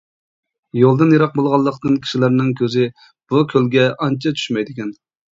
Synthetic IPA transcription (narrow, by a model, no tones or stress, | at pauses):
jolˠd̪ɨnjɑɾɑq̚bolˠʁɑlˠːəqt̪ɨnkʲʰi̥ʃilæɾnɪŋkʲʰøzɪ | b̥ukʲʰølɡʲɛʔɑnt͡ʃʰɑt͡ʃʰy̥ʃmɛjd̪ɪkʲɛn